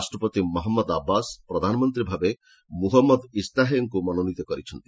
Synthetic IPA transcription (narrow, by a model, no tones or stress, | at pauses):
asʈɾɔpɔt̪imɔɦɔmːɔd̪abːaspɾɔd̪ʱanɔmɔnt̪ɾibʱabe | muɦɔmːɔd̪ist̪aɦjɔŋkumɔnonit̪ɔkɔɾit͡ʃʰɔnt̪i̥